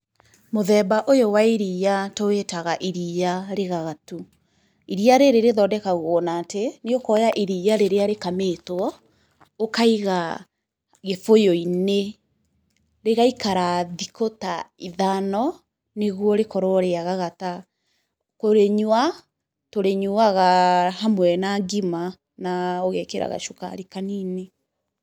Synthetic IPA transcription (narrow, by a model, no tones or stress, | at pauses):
moðɛbaʔojowaiɾiːatoetaɣaʔiɾijaɾeɣaɣatu | iɾiaɾeɾeɾeðɔdɛkaɣɔːnaːteneokɔjaʔiɾiːjaɾeɾeaɾekametwɔ | okaiɣa | ɣefojoine | ɾeɣaikaɾaðikotaiðanɔ | neɣwɔɾekɔɾɔɾeaɣaɣata | koɾeɲwa | toɾeɲuaɣahamwɛnaɡima | naoɣɛkeɾa̰ɣa̰ʃoka̰ɾikanine